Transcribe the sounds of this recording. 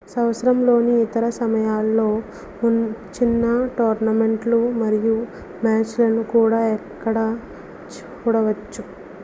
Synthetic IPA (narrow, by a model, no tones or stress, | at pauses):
sɐwsɐɾɐmlo̞ːniːt̪ɐɾɐsɐmɐjaːlːo̞ː | unt͡ʃinːɐʈoːɾnɐme̞ɳʈlumɐɾiju | maːt͡ʃlɐnukuːɽaːɛkːɐɽɐ | kuːɽɐʋɐt͡ʃːu